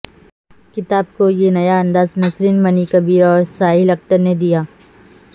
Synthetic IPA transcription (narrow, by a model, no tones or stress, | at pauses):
kɪt̪aːb̚kojenɐjaɐ̃nd̪aːznɐsɾiːnmɐnikɐbiːɾɔːɾsaːɦɪlɐkt̪əɾned̪ijaː